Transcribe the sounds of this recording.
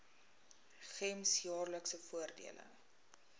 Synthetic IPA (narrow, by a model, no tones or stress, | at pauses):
χɛmsjɑːrləksəfuərdḭələ̰